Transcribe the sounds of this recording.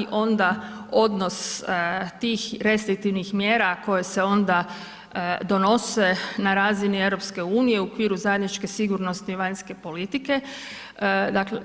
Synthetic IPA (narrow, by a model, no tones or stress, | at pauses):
iʔo̞nd̪ao̞d̪no̞s | t̪iːxɾe̞st̪ɾik̚t̪iʋnixmjeːɾako̞je̞se̞o̞nd̪a | d̪o̞no̞se̞naɾaːzinie̞ʋɾo̞pske̞uːnije̞uokʋiːɾuzajed̪nit͡ʃke̞siɡuɾno̞st̪iʋaɲske̞po̞lit̪ike̞ | d̪akle